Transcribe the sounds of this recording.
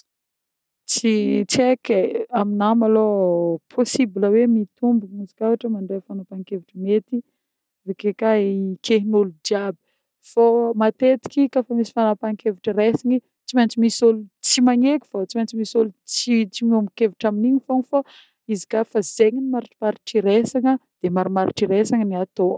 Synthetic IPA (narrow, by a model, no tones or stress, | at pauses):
t͡sit͡sekeaminamalopʰosibiləwemit̪umbimizi̥kavaʈ͡ʂəmaɳɖ͡ʐefanapaŋkeviʈ͡ʂəmet̪i | vekekaikʰeɦinoludiabi̥ | fomat̪et̪i̥kʲikafamisi̥fanapaŋkeviʈ͡ʂəresiɲi | t͡simant͡simisolut͡simaɲekʲu̥fat͡simant͡simisolut͡sit͡simomikeviʈ͡ʂaminiɲifoŋifa | izi̥kafaz̥eɲinimaɾiʈ͡ʂi̥maɾiʈ͡ʂiɾesaŋəd̪̥emaɾimaɾḭʈ͡ʂiɾesaŋəniat̪o